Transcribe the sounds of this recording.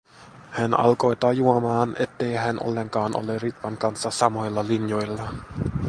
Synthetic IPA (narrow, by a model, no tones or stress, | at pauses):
hænɑ̰lko̞jt̪ɑjuomɑːne̞̰t̪ːe̞jɦænʔo̰lːe̞ŋkɑːnʔo̰lerit̪ʋɑŋkɑnsːɑsɑmo̞jlːɑlinjo̞jlːɑ